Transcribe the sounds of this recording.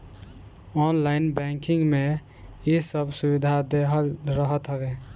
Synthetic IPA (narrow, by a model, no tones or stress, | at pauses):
ɔnlajnbɛŋkiŋɡme | isəbʱsubid̪ʱad̪eɦəlɾəɦət̪ɦəbe